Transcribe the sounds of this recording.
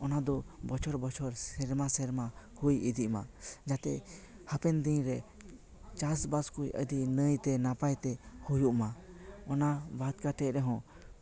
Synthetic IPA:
ɔnad̪ɔbɔt͡ʃʰɔɾbɔt͡ʃʰɔɾsɛɾmasɛɾma | hujid̪iʔma̰d͡ʒat̪ɛ | hapɛnd̪iɲɾɛ | t͡ʃasbaskujʔə̰d̪inəjt̪ɛnapajt̪ɛhujuʔmaɔnabad̪̚kat̪ɛʔɾɛɦɔ̃

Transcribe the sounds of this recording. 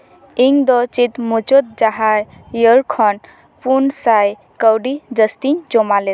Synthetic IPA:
iŋd̪ɔt͡ʃit̪mut͡ʃot̪̚d͡ʒaɦa | jəɾkʰɔn | punsaj | kəwɖid͡ʒəst̪iɲd͡ʒomale

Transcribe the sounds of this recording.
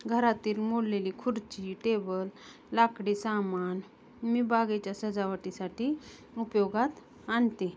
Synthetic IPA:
ɡʱəɾat̪iːlmoɽleliːkʰuɾt͡ɕiʈebəl | lakɽiːsaman | miːbaɡet͡ɕjasəd͡zaʋʈisaʈiː | upjɔɡat̪ | ant̪e

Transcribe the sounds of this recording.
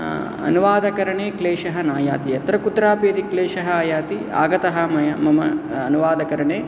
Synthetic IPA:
ɐ̰nuʋaːd̪ɐkɐɾɐɳeːkleːʃɐɦɐnaːja̰ːt̪ijɐt̪ɾɐkut̪ɾaːpjɐd̪ikleːʃɐɦɐaːjaːt̪ia̰ːɡɐt̪ɐɦɐmɐjɐmɐmɐɐnuʋaːd̪ɐkɐɾɐɳeː

